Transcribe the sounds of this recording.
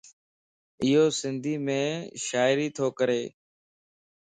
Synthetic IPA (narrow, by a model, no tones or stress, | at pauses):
ɪɦoːsɪnd̪ʱiːmẽːʃaːɪɾiːt̪ʰoːkəɾeː